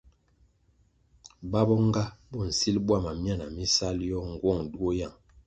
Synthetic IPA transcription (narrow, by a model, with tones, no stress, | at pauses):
ba˦bɔ˦ŋ˦ɡa˦bɔ˦˨n̩˨si˦lbwa˦˨ma˨mja˦˨na˨mi˦sa˦ljɔ˦ŋ˨ɡwɔ˦˨ŋdu˦o˦ja˦˨ŋ